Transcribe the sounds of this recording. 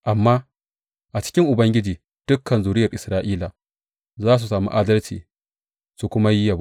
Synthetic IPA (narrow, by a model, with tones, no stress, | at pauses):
ʔa˨mːaː˦ | ʔa˨t͡ʃɪ̥˦kʲɪ˦ŋʔʊ˨bɐ˦ŋɡʲɪ˦d͡ʒiː˨ | d̥ʊ˦kʰːɐ˨nzuː˨ɾɪ˦jɐ˨rʔɪ˨sɾaː˦ʔiː˦la˨ | zaː˦s̬u˨saː˨mṵ˦ʔaː˦dɐ˦lt͡ʃḭː˨ | su˨kʷʊ˦ma˦ji˦ja˨b